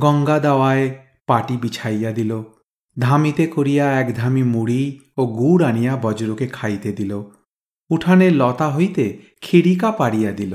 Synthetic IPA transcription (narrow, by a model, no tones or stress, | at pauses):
ɡɔŋɡad̪awae | paʈibit͡ʃʰajad̪ilo | d̪ʱamit̪ekoɾijaɛkd̪ʱamimuɽioɡuɾaɽ̃ijabɔd͡ʒɾukekʰajt̪ed̪ilo | uʈʰanelɔt̪aɦojt̪e | kʰiɽikapaɽijad̪ilo